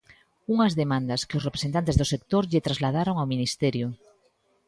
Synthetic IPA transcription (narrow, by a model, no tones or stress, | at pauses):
uŋazðemãnd̪askeosrepɾesent̪ant̪ezðosek̚t̪oɾʎet̪ɾazlaðaɾoŋawminist̪eɾjo